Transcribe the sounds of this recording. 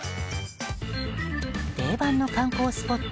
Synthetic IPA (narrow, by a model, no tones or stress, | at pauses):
d̪̥e̞ːbãnːo̞kãŋko̞ːsɨ̥po̞t̪ː